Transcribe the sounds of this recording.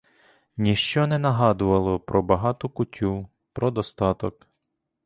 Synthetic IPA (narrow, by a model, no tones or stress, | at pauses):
nʲiʃt͡ʃɔnɛnɐɦɑd̪ʊʋɐlˠɔpɾɔbɐɦɑt̪ʊkʊtʲu | pɾɔd̪ɔst̪ɑt̪ɔk